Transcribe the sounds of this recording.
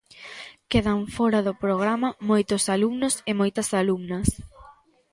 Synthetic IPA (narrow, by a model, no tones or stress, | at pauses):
keðɐɱfɔɾɐðʊpɾoɣ̞ɾamɐmojt̪ʊsalumnʊsɪmojt̪ɐsalumnɐs